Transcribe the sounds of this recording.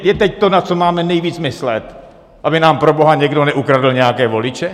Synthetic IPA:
jɛt̪ɛc̚t̪onat͡somaːmɛnɛjviːt͡smɪslɛt̪ | ʔabɪnaːmpɾobo̞ɦaɲɛɡdonɛʔukɾadɪl̩ɲɛjakɛːvo̞lɪt͡ʃɛ

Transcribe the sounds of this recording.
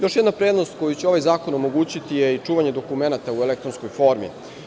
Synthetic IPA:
jo̞ʃjed̪napɾed̪nost̪ko̞jut͡ɕeo̞ʋajzaːko̞nomo̞ɡuːt͡ɕit̪ijeit͡ʂuːʋaɲe̞d̪o̞kumenat̪auelekt̪ɾonsko̞jfo̞ɾmḭ

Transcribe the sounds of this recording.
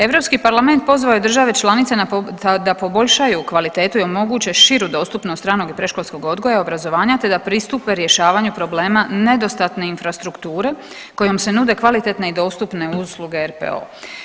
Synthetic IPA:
e̞ʋɾo̞pskipaɾlame̞nt̪̚po̞zʋaojed̪r̩ʒaʋe̞t͡ʃlˠanit̪senad̪apo̞bo̞ʎʲʃajukʋalit̪e̞ːt̪ujomo̞ɡuːt͡ɕe̞ʃiɾud̪o̞ːst̪upnost̪t̪ɾaːno̞ɡipɾe̞ʃkolʲsko̞ɡo̞d̪ɡo̞jao̞bɾazo̞ʋaːɲat̪e̞d̪apɾist̪upe̞ɾje̞ʃaːʋaːɲupɾo̞ble̞ːmane̞d̪o̞st̪at̪ne̞infɾast̪ɾukt̪uːɾe̞ | ko̞jo̞mse̞nuːd̪e̞kʋalit̪e̞t̪ne̞id̪o̞ːst̪upne̞usluɡe̞eɾpḛo̰ː

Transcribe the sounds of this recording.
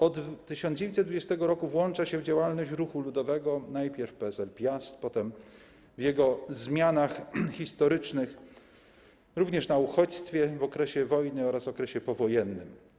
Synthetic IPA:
ɔd̪t̪ːɘɕɔnd͡ʑevʲent̪sɛd̪vud͡ʑɛst̪ɛɡɔɾɔkuvwɔnt͡ʂaɕɛvd͡ʑawalnɔɕt͡ɕɾuxulud̪ɔvɛɡɔnajpʲjɛɾfpɛɛzɛlpʲjast̪pɔt̪ɛm | vjɛɡɔzmʲjanaxxist̪ɔɾɘt͡ʂnɘx | ɾuvɲɛʂnauxɔt͡ɕst̪fʲjɛvɔkɾɛɕɛvɔjnɘɔɾasvɔkɾɛɕɛpɔvɔjɛnːɘ̰m

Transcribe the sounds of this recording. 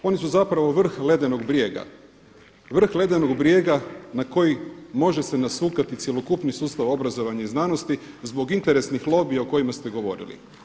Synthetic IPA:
o̞nisuzapɾaʋo̞ʋr̩xle̞d̪eno̞ɡbɾje̞ːɡa̰ | ʋr̩xle̞d̪eno̞ɡbɾje̞ːɡanako̞jimo̞ʒe̞senasuːkat̪it̪sjelo̞kupnisuːst̪aʋo̞bɾazo̞ʋaɲaiznaːno̞st̪i | zbo̞ɡint̪e̞ɾe̞snixlˠo̞bijaoko̞jimast̪e̞ɡo̞ʋo̞̰ɾḭlḭ

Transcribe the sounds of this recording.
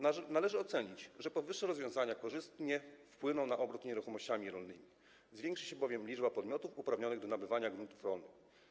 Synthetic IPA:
nalɛʐɘɔt̪sɛɲit͡ɕʐɛpɔvɘʂːɛɾɔzvʲjɔ̃w̃zaɲakɔʐɘst̪ɲɛfpwɘnɔ̃w̃naʔɔbɾut̪ɲeɾuxɔmɔɕt͡ɕamʲiɾɔlnɘmʲi | zvʲɛŋkʂɘɕɛbɔvʲjɛmlʲid͡ʐbapɔd̪mʲjɔt̪ufupɾavɲɔnɘɣd̪ɔnabɘvaɲaɡɾunt̪ufɾɔlnɘx

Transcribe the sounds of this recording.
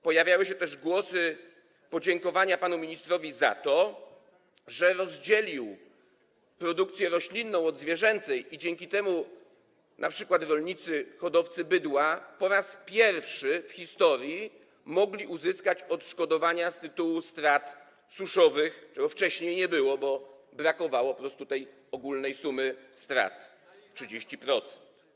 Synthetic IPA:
pɔjavʲjawɘɕɛt̪ɛʐɡwɔsɘ | pɔd͡ʑɛŋkɔvaɲapanumʲiɲist̪ɾɔvʲiza̰t̪ɔ | ʐɛɾɔzd͡ʑɛlʲiw | pɾɔd̪uk̚t̪sʲjɛɾɔɕlʲinːɔ̃w̃ɔd̪zvʲjɛʐɛnt̪sɛjid͡ʑɛŋkʲit̪ɛmu | nʔapʂɘkwat̪ɾɔlʲɲit̪sɘxɔd̪ɔft̪sɘbɘd̪wapɔɾaspʲjɛɾfʂɘfxʲist̪ɔɾʲji | mɔɡlʲiʔuzɘskat͡ɕɔt̪ʂkɔd̪ɔvaɲast̪ɘt̪uwust̪ɾat̪ | suʂɔvɘxt͡ʂɛɡɔft͡ʂɛɕɲejɲɛbɘwɔbɔ | bɾakɔvawɔpɔpɾɔst̪ut̪ɛj | ɔɡulnɛjsumɘst̪ɾa̰t̪ | ʂɘd͡ʑeɕt͡ɕipɾɔt̪sɛ̥nt̪

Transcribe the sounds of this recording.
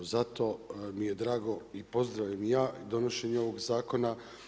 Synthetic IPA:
zat̪o̞mijed̪ɾaːɡo̞ipo̞zd̪ɾaʋʎamjaːd̪o̞no̞ʃe̞ɲeoʋo̞ɡzaːko̞na

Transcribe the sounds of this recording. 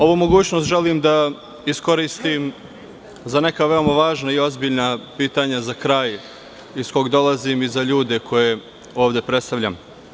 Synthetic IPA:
o̞ʋumo̞ɡuːt͡ɕno̞st̪ʒelimd̪a | isko̞ɾist̪im | zane̞kaʋe̞o̞maʋaːʒnaio̞zbiʎnapiːt̪aɲazakɾaːj | isko̞ɡd̪o̞lazimizaʎuːd̪e̞kʰo̞je̞ | o̞ːʋd̪e̞pɾe̞t̪st̪aʋʎa̰m

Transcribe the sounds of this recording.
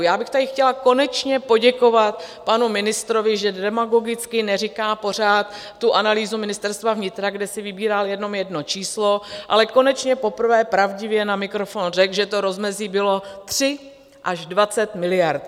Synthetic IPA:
jaːbɪxt̪adɪxcɛlako̞nɛt͡ʃɲɛpo̞ɟɛko̞vat̪panumɪnɪst̪ɾo̞vɪʒɛdɛmaɡo̞ɡɪt͡skɪnɛrɪkaːpo̞r̝aːt̪ː | uʔanaliːzumɪnɪst̪ɛɾst̪vavɲɪt̪ɾaɡdɛsɪvɪbiːɾaljɛdno̞mjɛdno̞t͡ʃiːslo̞ʔa̰lɛko̞nɛt͡ʃɲɛpo̞pr̩vɛːpɾavɟɪvjɛnamɪkɾo̞fonrɛkʒɛt̪oɾo̞zmɛziːbɪlo̞t̪r̥ɪ | ʔaʒdvat͡sɛt̪mɪlɪjaɾt̪

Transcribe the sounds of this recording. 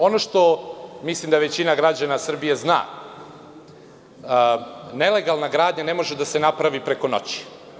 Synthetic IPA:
o̞noʃt̪o̞mislimd̪aʋe̞t͡ɕinaɡɾad͡ʑanasr̩bijezna̰ː | ne̞le̞ɡalˠnaɡɾaːd̪ɲane̞mo̞ʒed̪ase̞napɾaʋipɾe̞ko̞no̞̰t͡ɕi̥

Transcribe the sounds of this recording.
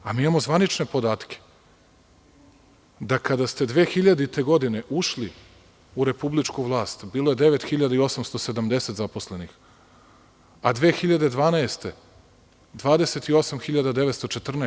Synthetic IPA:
amiːimamo̞zvʋanit͡ʃne̞po̞d̪aːt̪kʰʲe̥ | d̪akad̪ast̪e̞d̪ʋeːxiʎad̪it̪e̞ɡo̞d̪ine̞ʔuʃli | uɾe̞publit͡ʃkuʋlˠaːst̪biːlˠo̞je̞d̪e̞ʋet̪xiʎad̪aio̞samst̪ose̞d̪amd̪e̞set̪zapo̞slenix | ad̪ʋeːxiʎad̪ed̪ʋaːnaest̪e̞ | d̪ʋaːd̪e̞se̞t̪io̞samxiʎad̪ad̪e̞ʋet̪st̪ot͡ʃet̪r̩ne

